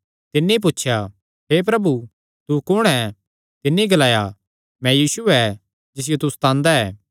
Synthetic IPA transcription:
t̪ɪnːẽip̬ʊtːʃʰja | ɦep̬ɾɐbu | t̪ukʊɽ̃ɛ | t̪ɪnːẽɡɐlaːja | mɛ̃jiːsuɛ | d͡ʒɪs̬ɪjot̪ust̪ãːnd̪aɛː

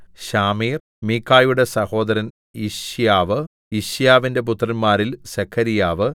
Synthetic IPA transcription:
ɕaːmiːr | mikʰːaːjuɽe̞sɐho̞ːd̪ɐɾɐn | iɕjaːʋɨ | iɕjaːʋinde̞p̬ut̪rɐnmaːɾilsekʰːɐɾijaːʋɨ

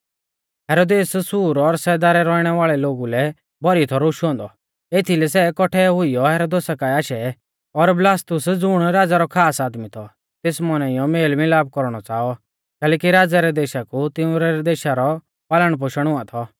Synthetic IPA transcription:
ɦɛːɾoːd̪eːssuːɾɔɾsɛːd̪aːɾɛɾɔiɽ̃ɛʋaːɭɛloːɡulɛ | bɔɾit̪ʰɔɾoʃɦɔ̃ːnd̪ɔ | eːt̪ʰilɛsɛkɔʈʰɛɦʊijɔɦɛːɾoːd̪eːsakaaːʃɛ | ɔɾblaːst̪ʊsd͡zʊɽ̃ɾaːd͡zaɾɔkʰaːsaːd̪mit̪ʰɔ | t̪eːsmɔnãɪjɔmeːlmɪlaːb̚kɔɾɽ̃ɔt͡saːɔ | kɛːlɛːkiɾaːd͡zaɾɛd̪eːʃakut̪ɪũɾɛd̪eːʃaɾɔ | paːləɽ̃p̬ʊʃəɽ̃ʊãt̪ʰɔ

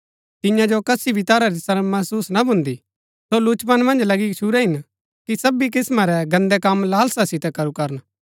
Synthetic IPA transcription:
t̪ɪjãd͡ʒokɐsibʱit̪aːɾaɾisɐɾəmɐɦsuːsnabʱʊ̃nd̪i | solut͡ʃpɐnmɐ̃nd͡ʒlɐɡit͡ʃʰuɾɛɦɪn | kisɐbik̬ɪsmaɾɛɡɐ̃nd̪ɛkɐmlaːlsasɪt̪ɛkɐɾukɐɾən

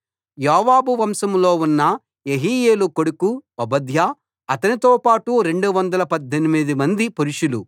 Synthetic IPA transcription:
jaːʋaːbuʋɐmsɐmloːunːɐ | jeɦiːjeːlukoɽukuɐbɐd̪ʱja | ɐt̪ɐnit̪oːpaːʈuɾe̞ɳɖuʋɐnd̪ɐlɐpɐd̪ʱːenimid̪imɐnd̪ipuɾuʂulu

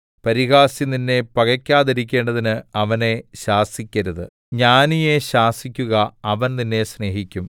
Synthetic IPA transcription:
pɐɾiɣaːsininːe̞pɐɣɐkʲːaːðiɾik̬ʲːe̞ːɳɖɐðinɨɐʋɐne̞ɕaːsikʲːɐɾuðɨ̰ | ɲaːnije̞ɕaːsikʲːuɣɐɐʋɐnninːe̞sne̞ːɦikʲːum

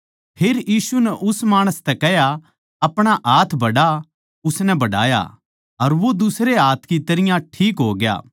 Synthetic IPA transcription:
pʰeːɾjiːsunɛʔʊsmaːɽ̃əst̪ɛkɛɦja | ɐpɽ̃aʔaːt̪ʰbʱɐɽa | ʊsnɛbɐɽa̰ːja̰ | ɐɾʋod̪ʊsɾeaːt̪ʰkit̪ɐɾɪjãʈʰiːkɦo̰ːɡja̰ː

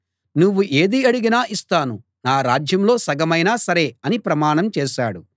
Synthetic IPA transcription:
nuʋːuʔe̞ːd̪iɐɽiɡinaːist̪aːnu | naːɾaːd͡ʒjɐmlo̞ːsɐɡɐmɐjnaːsɐɾe̞ːɐnipɾɐmaːɳɐmt͡ʃɛːʃaːɽu

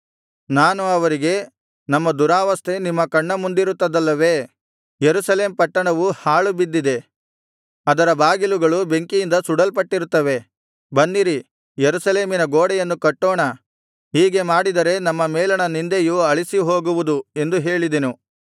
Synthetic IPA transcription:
naːnuɐʋɐɾiɡe̞ | nɐmːɐd̪uɾaːʋɐst̪ʰe̞nimːɐkɐɳːɐmund̪iɾut̪ːɐd̪ɐlːɐʋe̞ː | jeɾusɐle̞ːmpɐʈːɐɳɐʋuhaːɭubid̪ːid̪e̞ | ɐd̪ɐɾɐbaːɡiluɡɐɭube̞ŋkijind̪ɐsuɽɐlpɐʈːiɾut̪ːɐʋe̞ | bɐnd̪iɾi | jeɾusɐle̞ːminɐɡoːɽɛjɐnːukɐʈːoːɳɐ | hiːɡe̞maːɽid̪ɐɾe̞nɐmːɐmɛːlɐɳɐnind̪ejuɐɭisiɦoːɡuʋud̪ue̞nd̪uɦe̞ːɭid̪enu

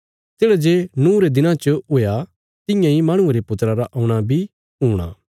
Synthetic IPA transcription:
t̪eːɽad͡ʒeːnũːɾed̪ɪnãt͡ʃəʊja | t̪ɪ̃jãimaːɽ̃ʊ̃eɾepʊt̪ɾaɾaʔɐʊɽ̃abʱi | ɦuːɽ̃a̰ː

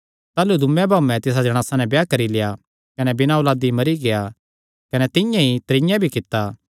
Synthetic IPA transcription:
t̪aːlud̪ʱʊmːɛ̃bʱaːmɛ̃t̪ɪs̬ad͡ʒɐɽ̃aːsanɛ̃bjakɐɾileja | kɐnɛbɪnaolaːd̪imɐɾiɡeja | kɐnɛt̪ɪjãit̪ɾɪ̃jãbʱikɪt̪ːa

